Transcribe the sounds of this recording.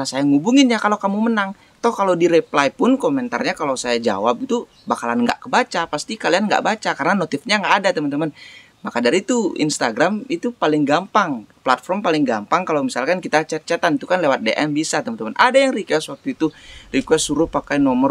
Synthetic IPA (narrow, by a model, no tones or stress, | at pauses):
asajaŋubuŋɪnɲakalokamumənaŋ | t̪ɔhkalowdiɾeplajpʊnkomɛnt̪a̰rɲakalowsajad͡ʒa̰wap̚it̪u | bakalanŋɡa̰ʔkəbat͡ʃapast̪ikalianŋɡa̰ʔbat͡ʃakarənanot̪ɪfɲaŋɡaʔːdat̪əmənt̪əman | makadaɾit̪uḭnst̪aɡɾamit̪upalɪŋɡampaŋplat̪̚fɔrmpalɪŋɡampaŋkalawmisalkankit̪at͡ʃət͡ʃat̪anit̪ukanlewat̪̚deʔɛmbisat̪əmant̪əmanʔadajaŋrikwɛswak̚t̪uit̪urikwɛsuɾʊhpakajnɔmər